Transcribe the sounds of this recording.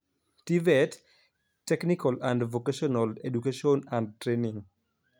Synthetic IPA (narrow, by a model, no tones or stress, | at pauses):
tivɛt | tːɛknikalandvokaʃɔnaledukaʃiɔnãnd̚tɾeniŋ